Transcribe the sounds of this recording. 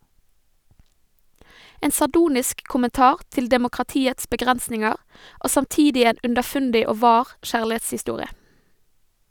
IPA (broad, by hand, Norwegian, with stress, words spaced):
ˈeːn sɑˈɖuːnɪsk kʊmənˈtɑːʁ ˈtɪl dɛmʊkʁɑˈtiːəts bəˈɡʁɛnsnɪŋəʁ ˈʔoː sɑmˈtiːdɪ ˈeːn ʉndəˈfʉndɪ ˈoː ˈʋɑːʁ ˈʃæːɭɪˌeːtshɪˌstuːʁɪə